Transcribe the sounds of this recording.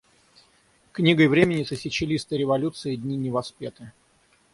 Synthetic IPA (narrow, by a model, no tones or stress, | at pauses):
knʲiɡəjvɾʲemʲɪnʲːɪt̪sɨsʲɪt͡ɕɪlʲist̪ɨɾʲɪvɐlʲut̪sɨɪd̪ʲnʲinʲɪvɐspʲet̪ɨ